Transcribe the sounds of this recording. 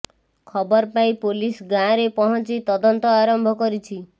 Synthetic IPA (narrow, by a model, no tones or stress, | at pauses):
kʰɔbɔɾpãĩpolisɡãɾepɔɦɔnt͡ʃit̪ɔd̪ɔnt̪ɔaɾɔmbʱɔkɔɾit͡ʃʰi